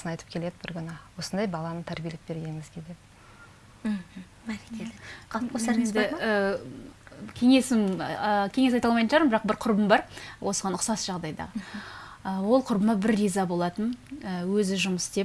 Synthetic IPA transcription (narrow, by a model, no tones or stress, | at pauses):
sənɑjt̪əp̚kʲʰe̞le̞d̪ɪbɪɾɡʲʏnəwo̞sənd̪ɑjbɑlˠɑnət̪ʰæɾbʲijelep̚b̥e̞ɾɡʲe̞nɪŋɪzɡʲed̪ep̩ | bæɾekʲeqʰɑlˠpqʰosɑend̪ɪə | kʲʰe̞ŋe̞sɪməkʲʰeŋe̞sɑjt̪ɑlˠmɑj̪ʒɑɾmbɪɾɑqbɪɾqʰʊɾbəmbɑɾwo̞səʁɑnʊqsɑsʒ̥ɑʁd̪ɑjd̪ɑ̰ | əwo̞lˠqʰʊɾbəmɑbɪɾːizɑbo̞lˠɑt̪ənəwɵzɪʒʊməsd̪e̞p̚